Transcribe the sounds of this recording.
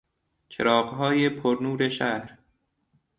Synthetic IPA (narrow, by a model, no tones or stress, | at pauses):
t͡ʃʰḛɾɒːɢɦɒːjepʰoɾnuːɾeʃæhɾ